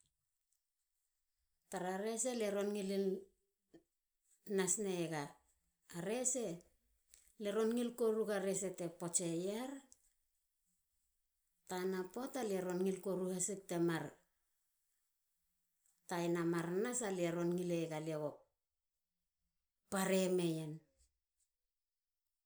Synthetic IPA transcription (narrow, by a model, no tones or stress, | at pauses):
taɾaɾe̞se̞leɾo̞nŋili | nasneɡa | aɾe̞se̞ | leɾo̞nŋilkoɾuɡaɾe̞se̞te̞pot͡ʃejaɾ | tanapo̞taleɾo̞nŋilkoɾuhesek̚temaɾ | tajnamaɾnasaleɾo̞nŋileɡaleɡo | paɾeme̞jen